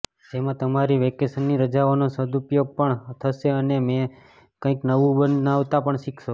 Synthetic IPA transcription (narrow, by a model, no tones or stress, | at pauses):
d͡ʒemãt̪əmaɾiʋekesənːiɾəd͡ʒaʋanosəd̪upjoɡ̚pəɳt̪ʰəʃeənemẽ | kə̃ĩknəʋũbənaʋt̪apəɳʃikʃo